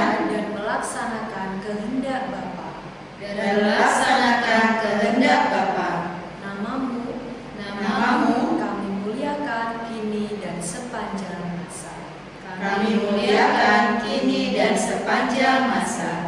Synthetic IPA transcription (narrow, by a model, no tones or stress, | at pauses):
ndanməlaksanakankəɦəndaʔ̚bapa̰ | daəllaksanakankəɦəndaʔbapa | namamu | namaamamukamimuliakankinidansəpaɲd͡ʒaŋmasa̰ | kakamimuliakankinidansəpaɲd͡ʒaŋmasa